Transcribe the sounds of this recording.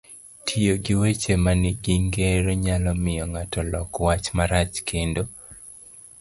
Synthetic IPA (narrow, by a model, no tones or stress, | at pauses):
tʰijoɡɪwet͡ʃemanɪɡiŋɡeɾɔɲalɔmɪjɔŋatɔlɔkwat͡ʃmaɾat͡ʃkʰendo